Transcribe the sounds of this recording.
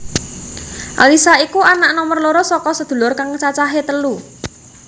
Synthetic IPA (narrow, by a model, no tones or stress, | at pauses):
ʔa̰lisaikuanaʔnɔmərloɾosɔkɔsəd̪̥ṳlʊrkaŋət͡ʃat͡ʃaɦet̪əlu